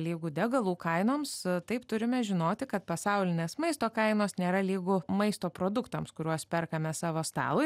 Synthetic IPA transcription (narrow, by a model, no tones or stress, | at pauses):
lʲiːɡʊd̪ʲɛɡɐlˠuːkɐɪnoːmst̪ɐɪpt̪ʊɾʲɪmʲɛʒʲɪnoːt̪ʲɪkɐt̪̚pɐsɐʊlʲɪnʲeːsmɐɪst̪oːkɐɪnoːsnʲeːɾɐlʲiːɡʊmɐɪst̪oːpɾoːd̪ʊkt̪ɐmskʊɾʲuɔspʲɛrkɐmʲɛsɑːʋoːst̪ɑ̰ːlˠʊɪ